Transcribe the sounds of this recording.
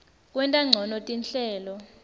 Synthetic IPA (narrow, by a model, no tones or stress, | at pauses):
k̬ʼwɛntʼaŋ͡ǀʱɔnɔtʼinɬɛːlɔ